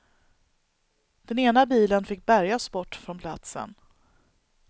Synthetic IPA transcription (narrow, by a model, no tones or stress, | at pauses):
d̪̥ɛneːnabiːlənfɪk̚ːbæɾjasbɔʈːfɾɔnpʰlat̪sə̰n